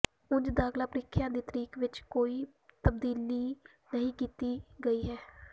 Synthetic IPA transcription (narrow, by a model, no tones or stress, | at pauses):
ʊɲd͡ʒd̪aːklaːpəɾɪkʰːjãːd̪iːt̪əɾiːkʰʋɪt͡ʃkoːiː | t̪əb̚d̪iːliː | nəɦĩːkiːt̪iːɡəiːɦɛː